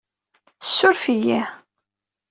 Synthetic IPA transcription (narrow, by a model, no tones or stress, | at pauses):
sːʊɾfiji